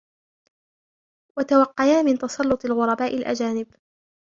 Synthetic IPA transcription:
wat̪awɑqːɑjaːmɪnt̪ɑsˤɑlːʊt̪ˤɪlɣʊɾˤɑbaːʔɪlʔa̰d͡ʒaːnɪb

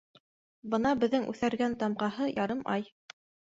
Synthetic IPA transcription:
bɤnɑbɘ̆ðːɘŋʔʉ̰θæɾɡænt̪ɑmqɑɦɤjɑɾɤmʔɑj

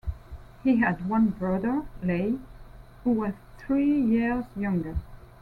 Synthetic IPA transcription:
hiɨd̚wʌ̃nbɹʌðə˞leɪhuwʌz̥θɹijɪɹzjʌ̃ŋɡə˞

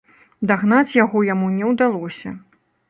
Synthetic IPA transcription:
d̪aɣn̪at͡sʲjaɣɔjamunʲɛwd̪alˠɔsʲɐ

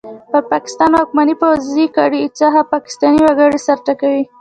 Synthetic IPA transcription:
pəɾpɑkɪ̥st̪ɑnhʊkmanipawzikɑɽit͡sɑɦapɑkɪ̥st̪ɑniwaɡəɽesaɾt̪akawi

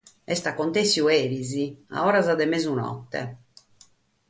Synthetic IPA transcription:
ɛst̪akːont̪esːjueːɾizia̰ɔːɾazad̪ɛmezunɔ̰t̪ːɛ̰

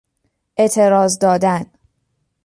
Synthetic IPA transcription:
ʔet̪ʰe̞ɾɒːzd̪ɒːd̪æn

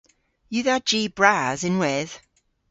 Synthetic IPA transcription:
jɨðəd͡ʒiːbɹaːzɪ̃nwɛð̥

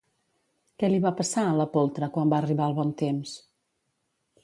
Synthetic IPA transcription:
kɛliβapəsaələpolˠt̪ɾəkwambaəriβaəlˠβɔnt̪ems

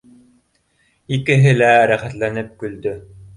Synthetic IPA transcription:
ikɘ̆ɦɘlæɾæχæt̪lænɘp̚kɵ̆ld̪ɵ

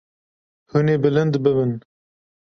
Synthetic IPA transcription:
huneːbɨlɨnd̪bɨbɨn

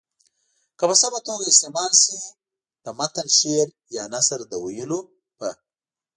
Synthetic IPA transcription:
kəpəsamat̪oɡaɪst̪emɑːlsi | d̪̥əmat̪alʃeɾ | jaːnasəɾd̪əwajulu | pɐ

